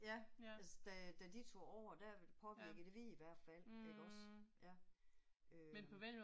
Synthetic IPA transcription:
jæælsəd̥æd̥æd̥it͡sʰo̝̰ɒʊ̰ɐd̥æpʰɒ̽ʋiɐɡ̥ð̩ˠd̥eʋiiʋæɐ̰d̥fæl̰eɡ̥ɒ̽sjæ | ømenpʰɒʋel̰

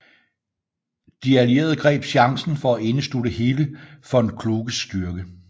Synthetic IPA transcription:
d̥iælje̝̰ːɐð̞ˠɡ̥ʁɛ̰ːb̥ɕɑ̈ŋsn̩fɒ̽æe̝nəsl̥udəɦe̝ːləfɒ̽e̝nkʰluːɡ̥əsd̥yɐɡ̥ə

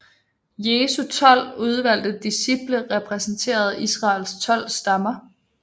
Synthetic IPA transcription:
je̝ːsut͡sʰɒ̽l̰uð̞ˠʋæl̰d̥əd̥isib̥ləʁɛpʰʁɛsn̩t͡sʰe̝̰ːɐð̞̩ˠisʁɑ̈ːlst͡sʰɒ̽l̰sd̥ɑ̈mɐ

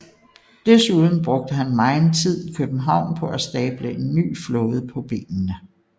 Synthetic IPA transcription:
d̥esuð̞ˠn̩b̥ʁɔ̽ɡ̥̚d̥əɦænmɑ̈ɪnt͡sʰið̞̰ˠkʰøb̥m̩ɦɑ̈ʊ̰npʰɒ̽ʔæsd̥ɛːb̥ləe̝nːy̰ːflɔ̽ːð̞̩ˠpʰɒ̽b̥e̝̰ːnnə

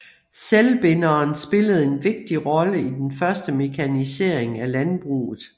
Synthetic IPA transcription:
selb̥enɐːnsb̥e̝ləð̞̩ˠe̝nʋe̝ɡ̥̚d̥iʁɒ̽ləid̥enfɶɐsd̥əme̝kʰænise̝ɐ̰eŋælænb̥ʁṵːð̩ˠ

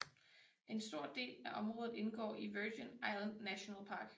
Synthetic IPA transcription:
ʔe̝nsd̥o̝ɐ̰d̥e̝̰ːlæʔɒ̽mʁɔ̽ːðˠð̩ˠe̝nɡ̥ɒ̰ːiʋøːd̥enɑ̈ɪlænd̥næɕo̝nɛlpʰɑ̈ːɡ̥

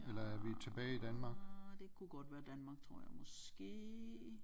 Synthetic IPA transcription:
elɐæɐʋit͡sʰe̝b̥ɛːid̥ænmɑ̈ːɡ̥d̥e̝kʰuɡ̥ɒd̥ʋæːɐd̥ænmɑ̈ːɡ̥̚t͡sʰʁo̝ɐ̰jaɪmɒsɡ̥e̝̰ː

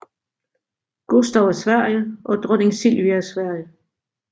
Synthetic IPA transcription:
ɡ̥o̝sd̥ɒʊæsʋæɐ̰jəʔɒ̽d̥ʁœne̝ŋsilʋiɐsʋæɐ̰jə

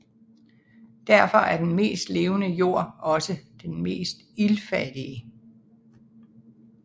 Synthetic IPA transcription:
d̥æɐfɒ̽ʔæɐd̥enme̝̰ːsd̥le̝ːʊnəjo̝ɐ̰ɒ̽səd̥enme̝̰ːsd̥ilfæd̥iə

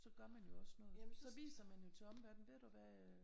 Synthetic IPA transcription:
sɒ̽ɡ̥ɶɐmænjo̝ɒ̽snɔ̽ːðˠæsɒ̽ʋḭːsɐmænjo̝t͡sʰe̝ɒ̽mʋæɐd̥n̩ʋe̝ɾ̥uʋæ

